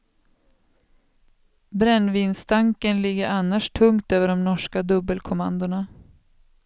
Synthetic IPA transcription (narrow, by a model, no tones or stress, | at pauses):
bɾɛnːviːnst̪ʰaŋkənlɪɡːəɾʔanːaʂʈʰɵŋt̪øːvəɖɔmnɔʂkad̪ɵbəlkʰʊma̰nd̪ʊɳa